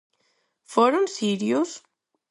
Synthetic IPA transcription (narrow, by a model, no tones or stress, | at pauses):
foɾunsiɾius